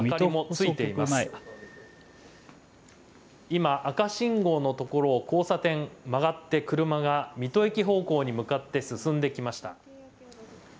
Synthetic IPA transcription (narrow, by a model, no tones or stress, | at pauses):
akaɾimo̞t͡sɨit̪e̞ia | imaʔakaɕĩŋɡo̞ːno̞t̪o̞ko̞ɾo̞ːko̞ːsat̪ẽ̞ŋmaɡat̪ːe̞kɯ̟ɾɯ̟maɡamʲit̪o̞ekʲiɦo̞ːko̞ːɲ̟imɯ̟kat̪ːe̞sɨsɨ̃nd̪e̞kʲimaɕi̥t̪a̰